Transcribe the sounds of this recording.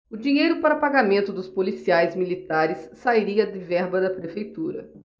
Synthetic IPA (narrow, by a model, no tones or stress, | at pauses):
ʊd͡ʒĩɲejɾʊpaɾɐpaɡamẽnt̪ʊd̪ʊspolisiajzmilit̪aɾɪssːaiɾiɐd̪ɪvɛɾbɐd̪ɐpɾefejt̪uɾɐ̰